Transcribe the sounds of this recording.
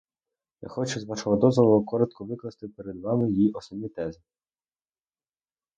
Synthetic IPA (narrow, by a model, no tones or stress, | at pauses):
ja̰xɔt͡ʃʊzʋɑʃɔɦɔd̪ɔzʋɔlˠɔkɔɾɔt̪kʰɔʋɪklˠɐst̪ɪpeɾed̪ʋɑmɪjiɔsɔbnʲit̪ɛzɪ